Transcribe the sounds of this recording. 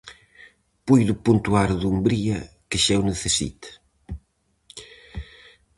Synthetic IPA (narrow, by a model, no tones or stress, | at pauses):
pujðʊpunt̪uaɾðumbɾiɐ | keʃɛwneθesḭt̪ɪ̥